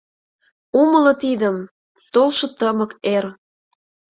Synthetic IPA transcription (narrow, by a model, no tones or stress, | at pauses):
uməlɤ̆t̪id̪əm | t̪olʃŏt̪əmə̆ker